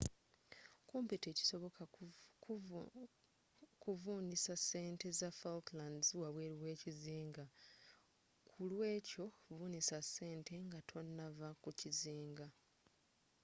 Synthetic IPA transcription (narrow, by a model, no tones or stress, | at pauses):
kumpite̞ːci̥so̞βo̞kʰa | kuvuːnisasːe̞ːnte̞zafalklandzwaβwe̞ːɾiwe̞ːciziːŋɡa | kʰulwe̞ːco̞vuːnisase̞ːntʰe̞ŋɡatʰo̞nːavakuciziːŋɡa